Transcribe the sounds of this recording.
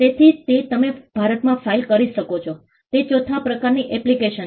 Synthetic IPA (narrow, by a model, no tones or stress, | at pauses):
t̪et̪ʰit̪et̪əmebʱaɾət̪mãfailkəɾiʃəkot͡ʃʰo | t̪et͡ʃot̪ʰãpɾəkaɾniʔɛplikeʃən